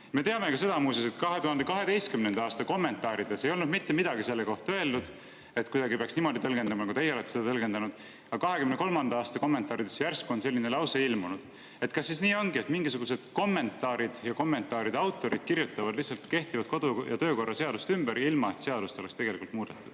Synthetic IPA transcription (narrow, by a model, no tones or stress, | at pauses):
me̞t̪e̞ɑmekɑse̞d̪ɑmuːseoset̪kɑɦe̞t̪uhɑnd̪e̞kɑɦe̞d̪e̞jst̪̚kymnend̪ɑɑːst̪ɑko̞mːe̞nt̪ːˑɑːɾid̪̥ese̞jo̞lnud̪mit̪ːe̞mid̪̥ɑɡise̞lːe̞ko̞ht̪ɑøeld̪ud̪̥ | e̞t̪kujd̪ɑɡipeɑksnimo̞d̪it̪ɤ̞lɡ̥e̞nd̪̥ɑmɑnɑkut̪e̞jːeole̞t̪ːe̥sed̪ɑt̪ɤ̞lɡ̥end̪ɑnud̪̥ | ɑkɑɦe̞kymneko̞lmɑnd̪̥ɑɑːst̪ɑko̞mːent̪ˑɑːɾid̪̥esːjærskuonse̞lːinelɑwseilmunud̪̥ | e̞t̪ˑkɑsːisniːo̞nɡie̞t̪miŋɡisuɡ̥use̞d̪̥ko̞mːe̞nt̪ːˑɑːɾid̪̥jɑko̞mːe̞nt̪ːˑɑːɾid̪̥ɑwt̪ːˑo̞ɾid̪̥kiɾjut̪ːˑɑvɑd̪lihsɑlt̪ke̞ht̪ivɑd̪̥̚ko̞d̪ujɑ̰t̪ø̞ːko̞rːɑse̞ɑd̪̥ust̪ymbeɾilmɑe̞t̪se̞ɑd̪ust̪oekst̪eɡe̞likult̪muːd̪̥et̪ːˑud̥